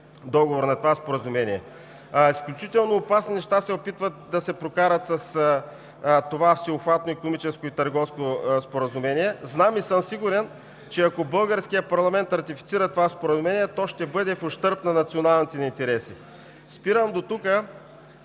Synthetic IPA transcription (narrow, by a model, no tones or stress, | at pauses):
d̪ɔɡovoɾnɐt̪ovaspoɾəzumɛniɛ | isklʲut͡ʃit̪ɛlˠnoːpasninɛʃt̪asɛopit̪vət̪̚d̪ɐsɛpɾokaɾət̪sɐs | t̪ovafsioxvat̪noikonomit͡ʃɛskoit̪ɐɾɡɔfskospoɾəzʊmɛniɛznamisəmsiɡuɾɛn | t͡ʃɛɐkobɤlˠɡəɾskijəpɐɾlˠɐmɛnt̪ɾɐt̪ifit̪siɾət̪ovaspoɾəzʊmɛnʲiɛt̪ɔʃt̪ɛbɤd̪ɛfoʃt̪ɤɾpnɐnɐt̪sionalˠnit̪ɛnɐint̪ɛɾɛsi | spiɾəmd̪ot̪ukə